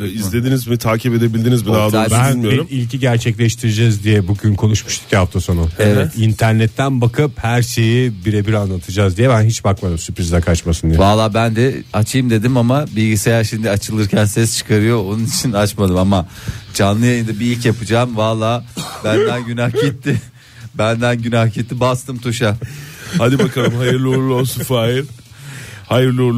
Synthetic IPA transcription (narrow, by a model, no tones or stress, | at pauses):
izle̞d̪inizmit̪ʰaːcʰipe̞d̪e̞bilʲd̪inizminaaænijoiɾilʲcʰiɟæɾt͡ʃʰɛclʲɛʃt̪ʰiɾid͡ʒɛzd̪ijɛbuɟynkʰo̞nuʃmuʃt̪ʰi̥cʰʲihaft̪ʰaso̞nueɛt̪int̪ʰæɾnɛt̪ʰːænbakʰɯphæɾʃe̞jibiɾɛbiɾanlˠat̪ʰɯd͡ʒazd̪ijɛbænɦit͡ʃbakmad̪ɯmsypɾizakʰat͡ʃmasɯnd̪ijvalˠaːbænd̪ɛat͡ʃʰɯjɯmd̪e̞d̪imamabilʲɟisejaɾʃimd̪iat͡ʃʰɯlˠɯɾcʰænsɛst͡ʃʰɯ̥kʰaɾɯjo̞onunit͡ʃʰinat͡ʃmad̪ɯmamad͡ʒanlˠɯjajɯnd̪abiilʲcjapʰɯd͡ʒaːmvalˠːaːbændd̪ænɟynahit̪ːɪ | bænd̪ænɟynahcit̪ʰːibast̪ɯmt̪ʰuʃahad̪ibakʰalˠɯmɦajɯɾlˠiuɾlˠuolˠsunfaːilʲ | hajɯɾlˠiuɾlˠ